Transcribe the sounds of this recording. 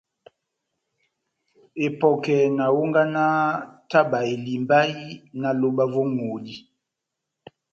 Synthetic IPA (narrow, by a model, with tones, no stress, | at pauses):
e˨pɔ˨kɛ˨na˨wo˦ŋɡa˦na˦ta˦ba˨e˨li˨mba˦i˦na˨lo˨ba˦vo˦ŋo˨di˦